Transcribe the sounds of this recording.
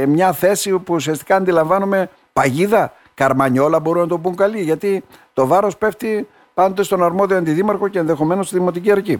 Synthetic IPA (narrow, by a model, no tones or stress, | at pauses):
mɲɐθe̞sipuusiɐst̪ikɐːnd̪ilɐɱvɐnume̞ | pɐʝiðɐ | kɐɾmɐɲo̞lɐboɾunɐt̪o̞buŋkɐliʝɐt̪it̪o̞vɐɾo̞spe̞ft̪i | pɐnd̪ot̪e̞st̪o̞nɐɾmo̞ðio̞ɐnd̪iðimɐɾxo̞ce̞ːnðe̞xo̞me̞nost̪iðimo̞t̪̬iciɐɾci